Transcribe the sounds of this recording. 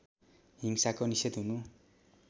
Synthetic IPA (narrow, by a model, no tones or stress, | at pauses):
ɦiŋsakoniset̪ɦunu